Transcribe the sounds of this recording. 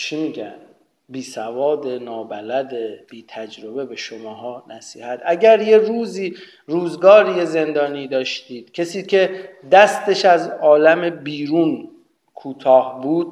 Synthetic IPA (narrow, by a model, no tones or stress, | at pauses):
t͡ʃʰimiɟæ̰n | biːsævɒːd̪enɒːbælæd̪eb̥iːt̪ʰæd͡ʒɾobe̞be̞ʃomɒːɦɒːnæsiːhæt̪ʰæɟæɾjeɾuːziː | ɾuːzɡɒːɾijeze̞nd̪ɒːniːd̪ɒːʃt̪iːd̪̥cʲʰe̞siːcʰe̞d̪æst̪e̞ʃæzɒːlæme̞biːɾuːn | kʰuːt̪ʰɒːhbuːd̪̥̚